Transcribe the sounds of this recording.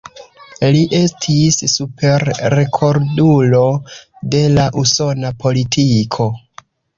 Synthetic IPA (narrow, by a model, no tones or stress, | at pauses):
liʔe̞stʰisːupʰe̞ɾːekʰo̞ɾdulo̞de̞laʔuso̞napʰo̞litʰikʰo̞